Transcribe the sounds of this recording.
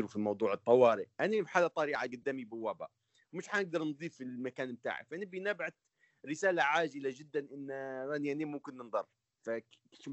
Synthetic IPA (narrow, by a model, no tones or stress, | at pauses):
ɾufimɑwd̪ˤuːʕɨt̪ˤːɑwɑːɾɪʔʔanibħaːlːat̪ˤɑɾiːʕaɡad̪ːaːmibɪwːaba̰ | wmɪʃħanɪɡ̚d̪ɑɾˤnðˤiːfɪlmakaːnb̚t̪a̰ːʕḭfʔanibinabʕat̪ | ɾɪsaːlaʕaːʒɪlad͡ʒɪd̪ːanʔɪnːɾaniʔanimʊmkɪnːnd̪ˤɑrˤː | fakːʃ